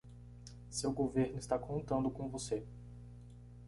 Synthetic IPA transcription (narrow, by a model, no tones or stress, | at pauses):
sewɡoveɾnʊist̪akʰõnt̪ɐ̃nd̪ʊkõvose